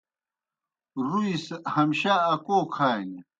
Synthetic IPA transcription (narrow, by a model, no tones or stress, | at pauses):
ɾuishɐmɕaːkoːkʰaːjni